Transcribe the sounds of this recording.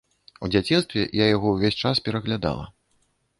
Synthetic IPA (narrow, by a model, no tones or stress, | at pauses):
ud͡zʲat͡sʲinst̪vʲɛ̰jajaɣɔwvʲesʲt͡ʂaspʲɛɾɐɣlʲad̪a̰lˠɐ̰